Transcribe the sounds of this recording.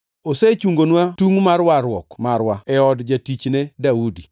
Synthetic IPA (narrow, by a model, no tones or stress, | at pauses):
oset͡ʃuŋɡonwatuŋmarwaɾwɔkmaɾwaɛɔdd͡ʒatit͡ʃnedaudi